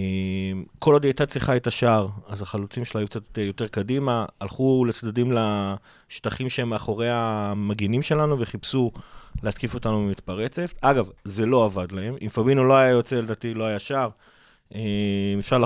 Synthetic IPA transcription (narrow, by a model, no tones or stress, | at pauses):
emkʰolod̪iajtat͡siχaet̪aʃaʁazaχalut͡simʃelajukt͡satjo̞te̞ʁkadimaːlχulet͡sd̪adimla | ʃtaχimʃeemːeaχo̞ʁejamaɡinimʃe̞lanuveχipsuleat̪kifo̞tanumimit̪paʁet͡setaɡavze̞lo̞avad̪lae̞mimfabinulo̞ajajo̞t͡se̞led̪aːt̪ilo̞ajaʃaʁ | emefʃaʁl